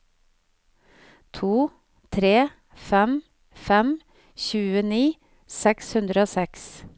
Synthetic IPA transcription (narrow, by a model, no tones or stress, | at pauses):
t̪ʰuː | t̪ʰɾeː | fɛm | fɛm | çʉːəniː | sɛkshʉnd̪ɾəoːsɛks